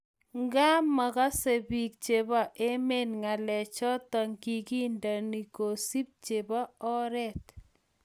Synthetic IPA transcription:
ŋɡa˦ma˨ka˦se˨bi˨k̚t͡ʃe˨ba˦˨ʔe˦me˦˨nŋa˨lɛ˨t͡ʃɔ˦tɔ˨ŋki˨ki˦nda˨ni˨ko˨si˦p̚t͡ʃe˨ba˦ɔ˦ɾɛ˦t

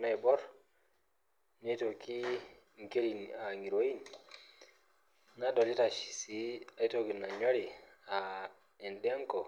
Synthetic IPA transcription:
na˨bɔ˦ɾ | ne˦to˨ki˦ŋke˦li˨na˨ŋɡi˨ɾo˦i˦n | na˦do˨li˦ta˨ʃi̥˨si˦a˨jto˦ki˨na˨ɲa˦ɾi˨a | ɛ˨nɗɛ˦a˦ŋkɔ˨

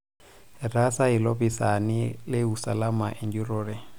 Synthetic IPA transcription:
ra˦sa˦i˨lo˦bi˨sa˨nɪ˦lɪ˦u˨sa̰˨la˦ma˨ʔe˨nd͡ʒu˦ɾɔːɾɛ˨

